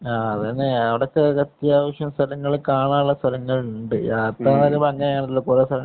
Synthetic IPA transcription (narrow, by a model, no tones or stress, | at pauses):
aːɐðɨɐneɐʋiɽekːekɐt̪jaːʋɐʂjɐmst̪ʰɐlɐŋːɐɭkaːɳaːnuɭːɐst̪ʰɐlɐŋːɐɭɳɖɨaːt̪ːaːnɐɾebɐŋɡɐjaːnɐt̪ːilːokuɾest̪ʰɐlɐ